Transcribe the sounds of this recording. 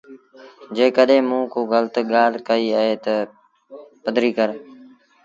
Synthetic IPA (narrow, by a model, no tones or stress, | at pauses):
d͡ʒeːkəɗẽːmũːkoːɣəlt̪ɠaːlkəiːaːɦeːt̪ə | pəd̪ʱɾiːkəɾ